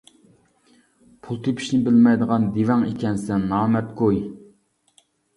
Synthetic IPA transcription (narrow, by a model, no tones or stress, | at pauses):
pʰulˠt̪ʰepʰi̥ʃnɪbɪlmɛjd̪əʁɑnd̪ivɛŋekʲʰɛnsɛnːɑːmɛt̪ɡoj